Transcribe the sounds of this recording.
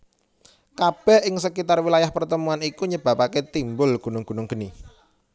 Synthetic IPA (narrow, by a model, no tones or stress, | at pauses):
kab̥ɛ̤hʔɪŋsəkit̪arwilajahpərt̪əmuanikuɲəb̥a̤paket̪imbʊlɡ̥ṳnʊŋɡ̥ṳnʊŋɡ̥ə̤ni